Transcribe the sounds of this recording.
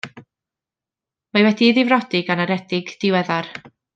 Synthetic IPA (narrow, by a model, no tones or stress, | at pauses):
mawɛdiðɪvrɔdɪɡanaɾɛdɪɡd̥ɪwɛðar